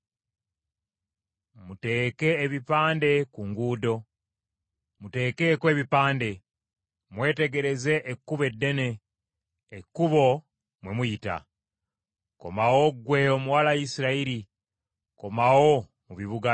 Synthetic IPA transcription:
mute̞ːke̞ːβipaːnde̞kuŋɡuːdo̞ | mute̞ːke̞kwe̞ːβipaːnde̞ | mwe̞ːte̞ɡe̞ɾe̞zeʔːkːuβe̞dːe̞ne̞ː | kːuβo̞ | mwe̞mujita̰ | ko̞̰mawo̞ɡwe̞o̞muwalajisiɾaiɾi | ko̞mawo̞ | muβiβuɡa

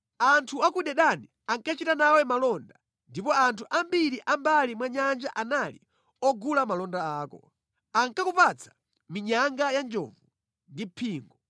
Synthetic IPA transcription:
antʰuakuɗɛɗani | aŋkat͡ʃitanawɛmalɔnda | ndipɔantʰuʔambiɾiʔambalimwaɲand͡ʒaʔanalḭ | ɔɡulamalɔndaaːkɔ̰ | aŋkakupat͡sʰḁ | miɲaŋɡajand͡ʒɔ̰vu | ndipʰiːŋɡɔ

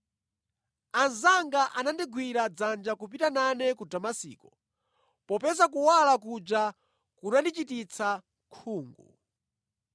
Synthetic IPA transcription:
anzaŋɡaʔanandiɡwiɾad͡zand͡ʒakup̬itananɛkudamasḭːkɔ | pɔpɛsak̬uwalak̬ud͡ʒa | kunandit͡ʃitit͡sʰa | kʰuːŋɡṵ

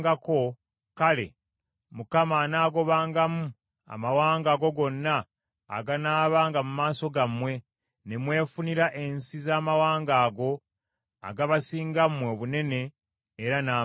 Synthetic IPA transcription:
ɡako̞ | kale̞̰ | mukamanaːɡo̞βaːŋɡamu | a̰mawaːŋɡaɡo̞ɡo̞nːa̰ː | ɡanaːβaːŋɡamumaːso̞ɡamwe̞ | ne̞mwe̞ːfuniɾaʔensizaːmawaːŋɡaːɡo̞ | a̰ɡaβasiːŋɡamwe̞βune̞ne̞ː | ɾanaː

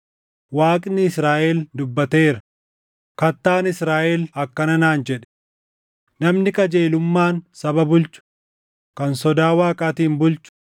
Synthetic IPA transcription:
waːkʼnɪɪsɾaːʔɛld̪ʊbːɐt̪e̞ːɾɐ | kɐt̪ːaːnɪsɾaːʔɛlɐkːɐnɐnaːnd͡ʒɛᶑɛ̥ | nɐmnɪkʼɐd͡ʒeːlʊmːaːnsɐbɐbʊlt͡ʃʊ̥ | kɐnsɔd̪aːwaːkʼaːt̪iːmbʊlt͡ʃʊ̥

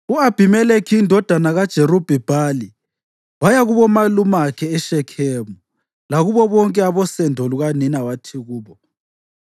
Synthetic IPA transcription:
uab̥ʱimɛlekʰiːndʱɔd̥ʱanaɣad̥ʒ̥ʱeɾub̥ʱɛb̥ʱali | wajaɣuβɔmalumakʰɛɛʃɛkʰɛːmu | laɣuβɔβɔŋkʼɛaβɔsɛndʱɔluɣaninawatʰiɣuːβɔ

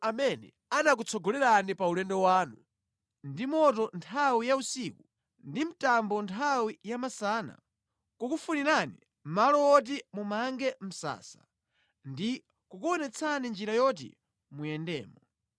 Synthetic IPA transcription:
amɛnɛ̰ | anak̬ut͡sʰɔɡɔlɛɾanipaulɛndɔwaːnu | ndimɔtɔntʰawijausiku | ndim̩tambɔntʰawijamasaːna̰ | kukufuniɾanḭ | m̩malɔɔt̬imumaŋɡɛm̩sa̰ːsḁ̰ | ndi | kukuwɔnɛt͡sʰanind͡ʒiɾajɔt̬ḭ | mujɛndɛ̰ːmɔ

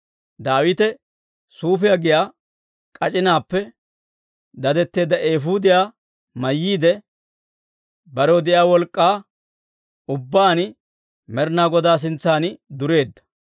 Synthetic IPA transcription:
d̪aːwɪt̪ɛ | suːf̬ɪjaɡɪjaː | kʼɐt͡ʃʼɪnaːpːɛ | d̪ɐd̪ɛt̪ːe̞ːd̪ːɐʔe̞ːfud̪ɪjaː | mɐjːiːd̪ɛ | bɐɾod̪ɪʔjaːwɔlkʼːaː | ʊbːaːn | mɛɾnaːɡɔd̪aːs̬ɪnt͡sːaːnɪd̪ʊɾe̞ːd̪ːɐ̥

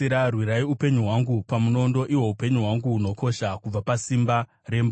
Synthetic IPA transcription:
iɾarwiɾaiupe̞ɲuɦwaŋɡupamuno̞ndo̞ʔiwo̞upe̞ɲuɦwaŋɡuːno̞ko̞ʃakub͡vapasimba | re̞mb

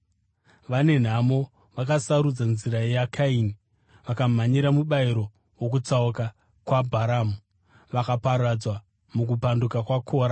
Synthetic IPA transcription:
ʋane̞n̤amo̞ | ʋakasaɾud͡zanziɾajeakʰaini | ʋakam̤aɲiɾamuɓaiɾo̞ | wok̬ut͡sauka | kwabʱaɾaːmu | ʋakapaɾad͡zwa | muk̬upandukakwakʰoːɾa

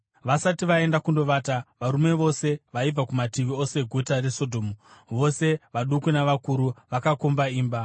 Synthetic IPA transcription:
ʋasatiʋae̞ndakundo̞ʋaːtaʋaɾume̞ʋo̞se̞ʋaib͡vakumatiʋio̞se̞ɡʱo̞tare̞sodʱo̞ːmuʋo̞se̞ʋaɗukunaʋakuɾuʋakakombaiːmba

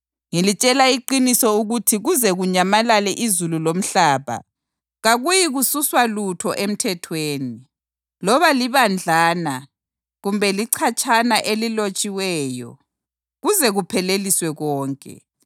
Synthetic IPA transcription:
ŋilit͡ʃʼɛlaiǃinisɔuɣutʰiɣuzɛɣuɲamalalɛʔizululom̩ɬaːβa̰ | ɣaɣujiɣususwalutʰɔʔem̩tʰɛtʰweːni | lɔβaliβand͡ɮʱaːna | ɣumbʱɛliǀʰat͡ʃʼʰanaʔelilot͡ʃʼiwɛːjɔ̰ | ɣuzɛɣupʰɛleliswɛɣɔːŋkʼɛ̰

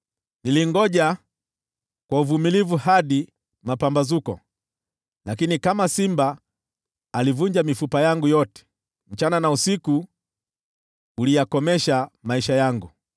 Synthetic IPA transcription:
niliŋɡɔʄa | kwauvumilivuhaɗi | mapambazukɔ̰ | lakinikamasimbaː | livuɲd͡ʒamifupajaŋɡujɔtɛ̥ | m̩t͡ʃananausiku | ulijakɔmɛʃamaiʃajaŋɡu

